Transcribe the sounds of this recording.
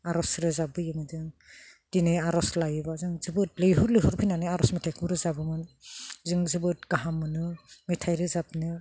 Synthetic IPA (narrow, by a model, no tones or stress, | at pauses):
aɾɔsɾɯzabɯjɯmɯzɯŋd̥inɯaɾɔslajɯbazɯŋzɯbɯt̚lɯjɦɔɾlɯjɦɔɾpʰijnanɯaɾɔsmetʰajkʰuɾɯzabɯmɯnzɯŋzɯbɯt̚ɡ̥aɦamɯnɯmetʰajɾɯzap̚nɯ